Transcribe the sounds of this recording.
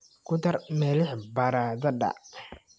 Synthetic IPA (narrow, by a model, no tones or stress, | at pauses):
kʰʊt̪ɐrmɛːlɪħbɐɾaːðɐɖɐ̰